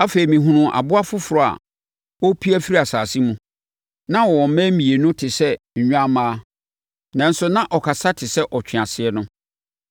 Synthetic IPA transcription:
a˦fe˨i˨mĩ˨ɦũ˦ɾʊ̃˦ʔa̰˨bʊ˦a˦fʊ˦fʊ˨ɾɔ˨a̰˨ | wɔ˦pʰi˦æ˦fi˦i˦a˨saː˨si˦mũ˨ | nã˦wɔ˨wɔ̃˨m̩˦mɛ̃˦mĩ˨e˨nʊ̃˦tʰɪ˨sɛ˦ | ɲ̩˨ɲᶣ˦a˦mãː˦ | nã˨n̩˦sʊ˦nã˦ʔɔ˨kʰa˨sa˦tʰɪ˨sɛ˦ʔɔ˨t͡ɕʰᶣɪ̃˨a˨sɪ˨ɛ˦nʊ̃˦

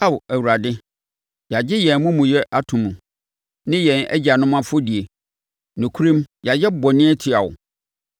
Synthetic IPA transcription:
a˦wæ˨wu˨ɾa˨dɪ˦ | ja˨d͡ʑɪ˦jɛ̃˨nmʊ̃˦mũ˨jɛ˦ʔa˦tʰʊ̃˨mũ˨ | nɪ̃˦jɛ̃˨næ̰˦d͡ʑi˨a˨nʊ̃˦mã˦fʊ˦di˨e˨ | nʊ̃˨kʰu˦ɾĩ˦mja˨jɛ˦bɔ˨nɪ̃˦ɛ˦tʰɪ˨a˨wʊ̰˨

